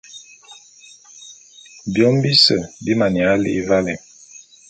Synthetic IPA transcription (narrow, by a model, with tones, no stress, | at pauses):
bjɔ˨˦m˦bi˦sə˨bi˦ma˨nja˨˦lḭ˦va˦lɛ˨